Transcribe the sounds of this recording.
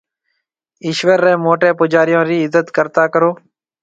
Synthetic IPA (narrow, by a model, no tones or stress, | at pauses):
ɪʃʋəɾːẽːmoːʈẽːpʊd͡ʒaːɾɪjõːɾiːɪzət̪kəɾt̪aːkəɾoː